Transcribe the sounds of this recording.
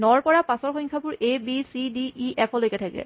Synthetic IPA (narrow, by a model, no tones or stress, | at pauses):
nɔɹpɔɹapasɔɹxɔjŋkʰapʊɹʔebisidiʔiʔɛpʰɔlojkɛtʰakɛ̰